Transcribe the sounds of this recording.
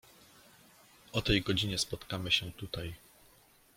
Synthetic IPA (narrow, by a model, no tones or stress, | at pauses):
ʔɔt̪ɛjɡɔd͡ʑiɲɛspɔt̪kamɘɕɛt̪ut̪aj